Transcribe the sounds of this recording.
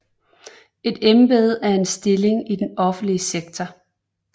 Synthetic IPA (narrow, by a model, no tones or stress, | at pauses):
e̝d̥emb̥e̝ð̞̩ˠæɐe̝nsd̥e̝le̝ŋid̥enɒ̽fn̩liəseɡ̥t͡sʰɒ